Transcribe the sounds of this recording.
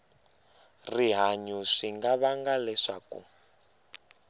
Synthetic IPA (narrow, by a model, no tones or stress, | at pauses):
riɦaɲuʂiŋɡaβaŋɡalɛʂa̰kṵ